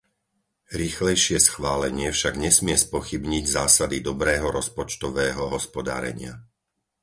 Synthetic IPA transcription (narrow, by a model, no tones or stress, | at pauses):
ɾiːxlɛjʃɪɛsxʋaːlɛɲɪɛfʃaɡɲɛsmɪɛspɔxibɲiɟzaːsad̪id̪ɔbɾɛːɦɔɾɔspɔt͡ʃt̪ɔʋɛːɦɔɦɔspɔd̪a̰ːɾɛ̰ɲɪa